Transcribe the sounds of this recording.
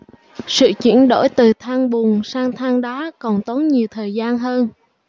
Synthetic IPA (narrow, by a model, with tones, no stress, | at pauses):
sɨ̰˧˨t͡ɕḭ˧˥ənɗo̰˧˩jt̪ɨ˨˩t̪ʰaː˧ŋɓu˨˩əŋsaː˧ŋt̪ʰaː˧ŋɗaː˨˦kɔ˨˩nt̪o˨˦nɲi˨˩əwt̪ʰəː˨˩jzaː˧nɦəː˧n